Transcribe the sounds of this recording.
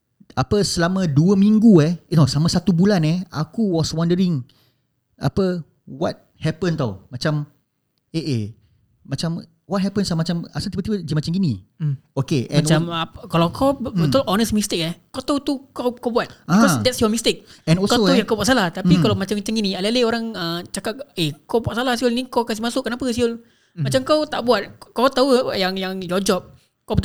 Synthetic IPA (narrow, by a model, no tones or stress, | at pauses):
apəsəlamə̃duəmĩŋɡuɛhnɔsamãsat̪ubulanɛha̰kuwɔswandəɾiŋ | ʔa̰pə | wɔ̰t̚ | hɛpənt̪awmat͡ʃam | eʔe | mat͡ʃam | wɔt̚ɦɛpənsamat͡ʃama̰sat̪ipbət̪ipəd͡ʒəmat͡ʃamɡiniokeɛ̃mnt͡ʃamakalawkʰɔbət̪ɔlʔɔnəsmist̪ɪk̚ɛhkɔt̪aut̪ukakowbuat̪̚bikɔsd̪ɛt̚sjɔmist̪ɪk̚ɛ̃nɔkot̪ajaŋkowbuat̪salaht̪apikalawmat͡ʃamat͡ʃaŋinialaleoɾaŋət͡ʃakat̚ekɔbuat̚salahsiolnikokas̬ihmasʊʔkənapəsiʊl | mat͡ʃamkawt̪aʔbuat̪̚kɔwt̪aujaŋjaŋjɔd͡ʒɔp̚ | kɔbət̪